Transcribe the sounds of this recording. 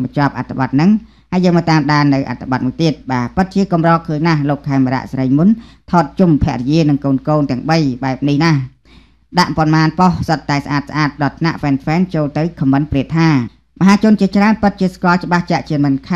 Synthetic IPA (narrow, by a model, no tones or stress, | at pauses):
ɓɑɲt͡ɕŏp̚ʔat̪ʰːaɓɑt̪̚nɨŋ | haəjːəːŋmɑːt̪aːmɗaːnːɨwʔa̰t̪ʰːaɓɑt̪̚muəjt̪iət̪̚ɓaːpɨt̪̚t͡ɕiəkɑmrɑːkʰəːɲnahloːkʰːaɛmːaɾa̰ʔsrəjmunt̪ʰɑːt̪̚t͡ɕumpʰɛ̆əʔrijiənɨŋkoːnkoːnt̪ɛ̆əŋɓəjɓaɛp̚nihnah | ɗaʔpɑnmaːnpohsɑt̪ːaɛs̆ʔaːt̪̚s̆ʔaːt̪̚ɗɑːt̪ʰna̰ʔfɛːnfɛːnt͡ɕoːlt̪ɨwkʰɑmːɨnpriət̪ʰːaː | məɦaːt͡ɕʊ̆ənt͡ɕiət͡ɕraənpɨt̪̚t͡ɕiəskoɑlt͡ɕə̆ɓaht͡ɕaʔt͡ɕiəmɨnkʰa